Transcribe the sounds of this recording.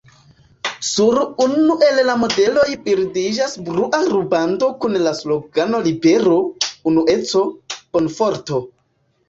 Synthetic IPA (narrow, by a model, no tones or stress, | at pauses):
suɾunuʔe̞llamo̞de̞lo̞jpeɾdid͡ʒasbɾuʔaɾubando̞kunlaslo̞ɡano̞libe̞ɾo̞unuʔe̞t͡so̞konfo̞ɾto̞